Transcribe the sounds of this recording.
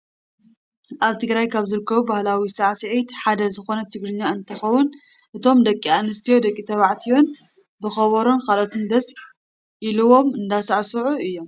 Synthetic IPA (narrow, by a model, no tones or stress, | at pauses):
ʔaβt̪ʰɨɡɾajkʰaβzɨɾɨkːɐβubahlawisaʕsɨʕit̪ħad̪ɐzɨxo̞nɐt̪ʰɨɡɾɨɲːaɨnt̪ʰɨxɐwʊnʔɨt̪ʰo̞md̪ɐkʼːianɨst̪ʰijo̞d̪ɐkʼːit̪ʰɐβaʕt̪ʰijo̞n | bɨxɐβɐɾo̞nkʰalot̪ʰɨnd̪ɐs | ʔiluwo̞mɨnd̪asɐʕsɨʕuɨjːo̞m